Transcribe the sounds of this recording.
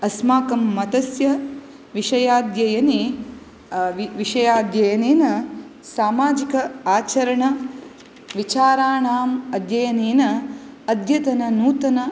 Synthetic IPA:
ɐsmaːkɐmːɐt̪ɐsjɐ | ʋiʂɐjaːd̪jɐjɐni | ʋiʋiʂɐjaːd̪jɐjɐneːnɐsaːmaːd͡ʒikɐaːt͡ʃɐɾɐɳɐ | ʋit͡ʃaːɾaːɳaːmɐd̪jɐjɐneːnɐːd̪ʱjɐt̪ɐnɐnuːt̪ɐnɐ

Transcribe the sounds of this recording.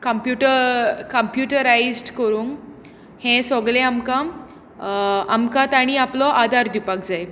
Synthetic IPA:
kəmpjuʈəɾkəmpjuʈəɾaizɖkəɾuːŋɡ | hẽsɔɡlẽamkãm | a̰mkãt̪aɽ̃iaplɔʔad̪ʱaɾd̪ipak̚d͡zaj

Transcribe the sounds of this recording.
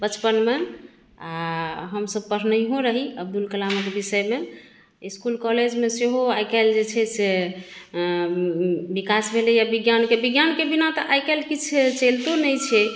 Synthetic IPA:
bət͡ʃpənme | aɦəmsəb̚pəɾ̤nəiɦõɾəɦiəb̚d̪ulkəlaməkebisəjme | iskulkɔled͡ʒmeseɦoajkald͡ʒet͡ʃʰɛse | bikasbʱelejabiɡjankebiɡjankebinat̪ɔʔajkalkit͡ʃʰt͡ʃelt̪onəjt͡ʃʰe

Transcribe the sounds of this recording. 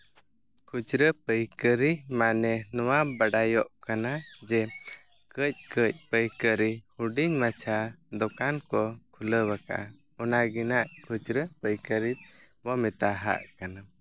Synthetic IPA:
kʰud͡ʒɾəpəjkəɾimanɛnɔwabaɖajɔʔkanad͡ʒɛ | kəc̚kəc̚pəjkəɾihuɖiɲmat͡ʃʰad̪ɔkankɔkʰuləbakaa̰ | ɔnaɡinaʔkʰud͡ʒɾəpəjkəɾit̪̚ˀ | bɔmɛt̪aɦa̰ʔkana

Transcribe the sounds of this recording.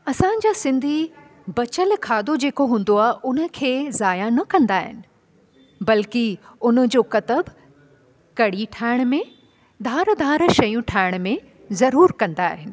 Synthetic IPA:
ɐsãɲ̆d͡ʑaːsɪ̃nd̪ʱi | bɐt͡ɕəlkʰaːd̪od͡ʑeːkoɦũːn̆d̪oaːɦɪʔʊnə̆kʰeːzaːjanɐkɐ̃nd̪aːɦɪ̰nɪ̆ | bɐlkiʊnə̆d͡ʑoːkɐt̪əb | kɐɽiʈʰaːɪɽ̃mẽ | d̪ʱaːɾd̪ʱaːɾʃɐjũʈʰaːɪɽ̃mẽ | zɐɾuːɾkɐ̃nd̪aːɦɪnɪ̆

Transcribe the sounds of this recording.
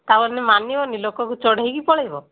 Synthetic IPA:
t̪abɔɾnimanibɔnilokɔkut͡ʃɔɽeɦjkipɔɭejbɔ

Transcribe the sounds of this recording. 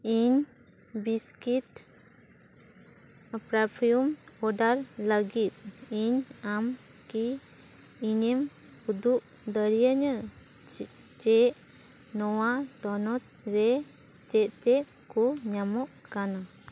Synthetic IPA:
iɲ | biskit | pɾapʰijumɔɖaɾləɡit̪̚iɲam | ki | iɲim | ud̪uʔ | d̪əɾijəɲə | t͡ʃɛʔ | nɔwat̪ɔnɔt̪̚ɾɛ | t͡ʃɛt̪̚t͡ʃɛʔ | kuɲamɔʔkana

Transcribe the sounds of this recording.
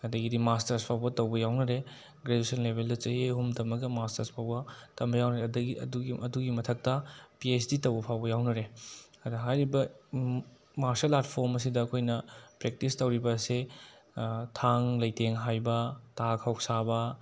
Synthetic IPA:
ɐdɐɡidimastɐɾspʰawbɐtɐwbɐjawnɐɾe | ɡɾedusɐnlebʱeldɐt͡ʃɐɦeɦumtɐmɐɡɐmastɐɾspʰawbɐtɐmbɐjawnɐɾedɐɡiɐ̰duɡiɐduɡimɐtʰɐk̚tɐpies̬ditɐwbɐpʰawbɐjawnɐɾeɐdɐɦajɾibɐ | maɾselːatpʰoɾmɐs̬idɐːkʰojnɐpɾek̚tistɐwɾibɐse | tʰaŋlɐjteŋɦajbɐtakʰawk̚sabɐ

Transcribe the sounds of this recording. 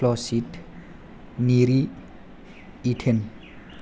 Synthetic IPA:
lɔsit | niɾi | iʈʰen

